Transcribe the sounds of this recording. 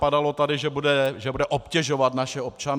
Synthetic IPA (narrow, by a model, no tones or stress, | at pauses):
padalo̞t̪adɪʒɛbudɛʒɛbudɛʔopcɛʒovat̪naʃɛopt͡ʃan